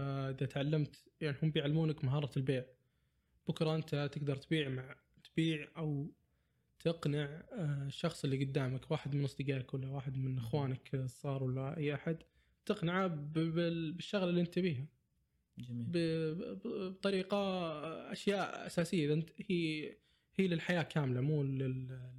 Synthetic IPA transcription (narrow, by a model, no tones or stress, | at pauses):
ʔɪðat̪ʕalːamt̪ | jaʕnihʊmːbɪjʕalːamuːnakmaɦɑːɾˤɑlbeːʕ | b̥ʊkɾˤɑʔɪnt̪at̪ɪɡd̪ɑɾˤt̪biːʕmaʕ | t̪biːʕʔaw | t̪ʰɪqnɪʕʃːɑxsˤɪlːiɡʊd̪ːaːmakwaːħɪd̪mɪnːʊsˤd̪ɪɡaːɪkwalːawaːħɪd̪mɪnʔɪxwaːnaksˤːɑːɾˤwalːaʔajːʔaħad̪ | t̪ɪqnɪʕabɪbɪʃːaɣlɪlːiːʔɪnt̪abiːɦa | d͡ʒbɪbbt̪ˤɑɾiːqaʔa̰ʃjaːʔa̰saːsɪjːaðnhi | hiːlɪlħajaːkʰaːmlamuːlɪl